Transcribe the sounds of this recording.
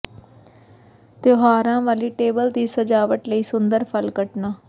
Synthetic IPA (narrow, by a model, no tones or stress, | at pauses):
t̪eɦaːɾãːʋaːliːʈeːbəld̪iːsəd͡ʒaːʋəʈləiːsʊnd̪əɾpʰəlkəʈnaː